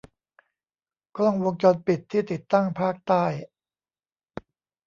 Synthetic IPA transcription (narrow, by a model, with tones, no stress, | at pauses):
klɔ˥˩ŋwo˧ŋt͡ɕɔː˧npi˨˩t̪ʰːiː˥˩t̪i˨˩t̪ːa˥˩ŋpʰaː˥˩k̚t̪aː˥˩j